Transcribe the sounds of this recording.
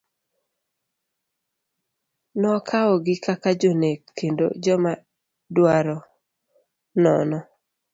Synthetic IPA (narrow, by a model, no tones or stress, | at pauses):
nɔkʰaɔɡɪkʰakad͡ʒonekʰːendo̰d͡ʒɔma | dwaɾɔ | nɔnɔ